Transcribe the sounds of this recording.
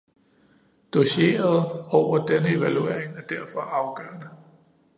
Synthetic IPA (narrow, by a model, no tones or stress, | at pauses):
d̥o̝ɕe̝̰ːɐð̞̩ˠɒʊ̰ɐd̥enəe̝ʋælue̝ɐ̰eŋæɐd̥æɐfɒ̽ʔɑ̈ʊɡ̥ɶ̰ɐnə